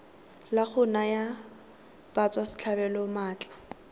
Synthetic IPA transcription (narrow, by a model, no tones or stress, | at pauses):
laχʊnaja | b̥at͡sʼwasɪ̥t͡ɬʰabɛlɔmaːt͡ɬʼḁ